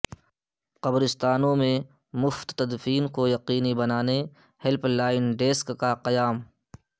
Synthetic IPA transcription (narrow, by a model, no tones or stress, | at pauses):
qɐbɾɪst̪aːnõmẽ | mʊft̪t̪ɐd̪fiːnkojɐqiːnibɐnaːne | hɪlplaːɪnɖeːskːaqɐjaːm